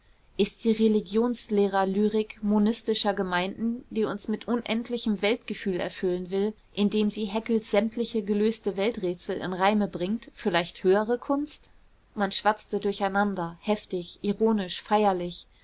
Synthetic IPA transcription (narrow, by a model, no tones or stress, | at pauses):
ʔɪst̚d̥iːʁeliɡjoːnsleːʁɐlyːʁɪkmonɪstɪʃɐɡəmaɪndn̩d̥iːʊnsmɪtʔʊnʔɛntʰlɪçəmvɛltɡ̥əfyːlɛ̰ɐfʏlənvɪl | ʔɪndeːmziːɦɛkl̩sz̥ɛmtʰlɪçəɡəløːstəvɛltʁɛːt͡sl̩ɪ̰nʁaɪməbʁɪŋtfɪɐlaɪçthøːəʁ̞əkʰʊnst | manʃv̥at͡stədʊɐçaɪnandɐhɛftɪçʔiʁoːnɪʃfaɪɐlɪç